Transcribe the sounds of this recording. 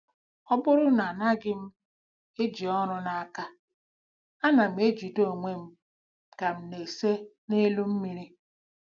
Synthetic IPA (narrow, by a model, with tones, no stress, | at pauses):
ɔ˦bʊ˦ɾʊ˦na˨na˦ɡɪ˦m̩˦ | e˦d͡ʒi˨ɔ˦nʊ˦na˨a˨ka˦ | a˦na˨m̩˦e˦d͡ʒi˨do˦˨ŋʷe˦m̩˦ | ka˨m̩˦ne˨se˦ | ne˦lu˦m̩˦mi˨ɾi˦